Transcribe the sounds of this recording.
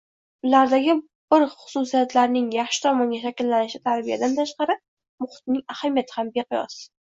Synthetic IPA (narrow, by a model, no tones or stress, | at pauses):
ʊlaɾd̪aɡʲɪ | b̥ɪɾχʊ̥susijat̪ʰlaɾnɪŋjɑχʃɪ̥t̪ʰɒmɒŋɡʲaʃakʲɪlːanɪʃɪt̪ʰaɾbija̰d̪ant̪ʰaʃqɑɾɪ | mʊχɪ̥t̪̚nɪŋahamijat̪ʰɪhambeqʰʊjɒ̰sɪ̥